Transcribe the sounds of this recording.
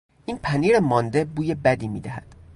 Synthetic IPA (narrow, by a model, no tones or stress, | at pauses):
ʔiːnpʰæniːɾemɒːnd̪e̞buːjebæd̪iːmḭːd̪æhæd̪̥